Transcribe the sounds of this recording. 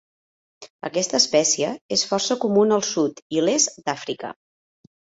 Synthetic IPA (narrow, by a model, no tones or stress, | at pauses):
ə̰kɛst̪əːspɛsiəesfɔrsəkumunəlˠsut̪ilesd̪afɾikə̰